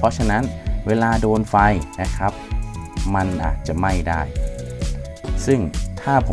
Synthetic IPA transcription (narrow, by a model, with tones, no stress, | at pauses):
pʰɔ˦˥t͡ɕʰa˧na˦˥nweː˧laː˧doː˧nfa˧jna˦˥kʰɾa˦˥p̚ma˧nʔa̰ː˨˩t̪̚t͡ɕa˨˩ma˥˩jdaː˥˩j | sɯ˥˩ŋt̪ʰaː˥˩pʰo˩˦